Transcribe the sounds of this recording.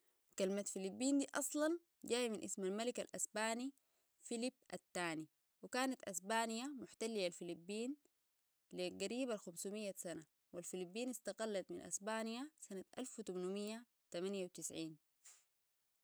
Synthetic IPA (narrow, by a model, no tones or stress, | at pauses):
kalmat̪filibːiːnd̪iːʔɑsˤlɑn | ɟaːjminʔḭsmalmalikalʔa̰sbaːni | filibʔat̪ːaːni | wikaːnat̪ʔasbaːnijamʊħt̪alːilalfilibːiːn | liɡaɾiːbalxamsumijːasana | wilfilibːiːnist̪ɑɡalːɑt̪minʔa̰sbaːnijasanat̪ʔalfwt̪umnumijːa | t̪amanjawt̪isʕiːn